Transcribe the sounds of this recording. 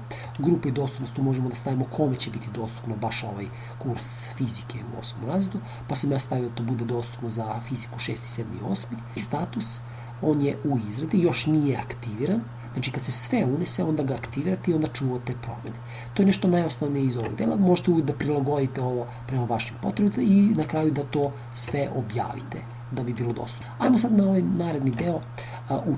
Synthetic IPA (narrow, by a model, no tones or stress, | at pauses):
ɡɾuːpaid̪o̞ːst̪u̥pnost̪uːmoʒemod̪ast̪aʋimokʰo̞met͡ɕebit̪id̪o̞ːst̪u̥pnobaʃo̞̰ʋaj | kuɾsfizikeṵo̰somo̰mɾaːzed̪u | pasamjaːst̪aʋid̪at̪oːbud̪ed̪o̞ːst̪upnozafizikuʃeːst̪i̥seːd̪mḭo̰ːsmi | st̪at̪us | o̞ːnjeʔuizɾad̪ijo̞ʃnijea̰kt̪iʋiɾan | znaːt͡ʃikad̪sesʋeuneseo̞nd̪aɡaːkt̪iʋiːɾat̪eio̞nd̪at͡ʃuːʋat̪epɾo̞̰mʲene | t̪oje̞nɛʃt̪onajosnoʋnijeizo̞ʋo̞̰ɡd̪eːlˠamoʒet̪eujik̚d̪apɾilˠaɡo̞d̪it̪eo̞ʋo̞ | pɾemaʋaʃimpo̞̰t̪ɾebit̪inakɾaːjud̪at̪o̞ː | sʋeʔobja̰ːʋḭt̪ḛ | d̪abibiːlˠod̪o̰st̪u̥pajmosad̪nao̞ʋajnaːɾed̪nid̪eo | u